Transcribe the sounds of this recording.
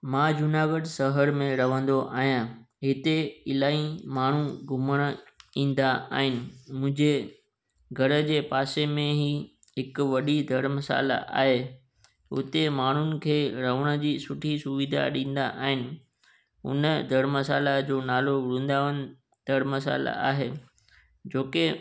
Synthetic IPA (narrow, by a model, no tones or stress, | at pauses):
mãːd͡ʑʊnaːɡəɖsɐɦəɾmẽɾɐʋ̤ə̃nd̪oʔa̰ːɦijãː | ɦɪt̪eɪlaːĩmaːɳ̤uɡʱʊməɽ̃ĩːn̆d̪aa̰ːɦɪnɪ̆mʊ̃ɦɪ̃ɲd͡ʑe | ɡʱɐɾə̆d͡ʑeːpaːsemẽɦi | ɦɪkʋɐɗid̪ʱɐɽmɐsa̰ːla̰ʔa̰ːɦe | ʊ̰t̪emaːɳ̤ʊnɪ̆kʰeːɾɐʋəɽ̃ə̆d͡ʑiːsʊʈʰisʊʋɪd̪ʱa̰ɗĩːn̆d̪a̰ʔaːɦɪnɪ̆ | ʊ̰nəd̪ʱɐɽmɐs̬aːlad͡ʑoːnaːloʋʊɽũːn̆d̪aːʋənɪ̆ | d̪̥ʱɐɽmɐsa̰ːla̰a̰ːɦeː | d͡ʑoːke